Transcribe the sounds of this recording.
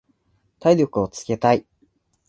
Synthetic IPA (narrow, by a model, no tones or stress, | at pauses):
t̪aiɾʲo̞kɯ̟o̞t͡sɨ̥ke̞t̪ai